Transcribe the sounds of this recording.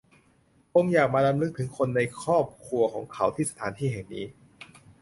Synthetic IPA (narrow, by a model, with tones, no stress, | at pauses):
ko˧ŋjaː˨˩k̚maː˧ɾa˧mlɯ˦˥k̚t̪ʰɯ˩˦ŋkʰo˧nːa˧jkʰɔː˥˩p̚kʰlu˧ɐkʰɔː˩˦ŋkʰa˩˦˥wt̪ʰiː˥˩sa˧t̪ʰaː˩˦nt̪ʰiː˥˩he˨˩ŋniː˦˥